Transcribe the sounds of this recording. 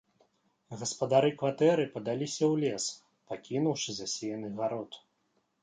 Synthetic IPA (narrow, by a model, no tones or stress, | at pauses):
ɣɐspɐd̪aɾɨkvat̪ɛɾɨpɐd̪alʲisʲɐwlʲɛs | pakʲinuwʂɨzɐsʲɛjɐnɨɣaɾɔt̪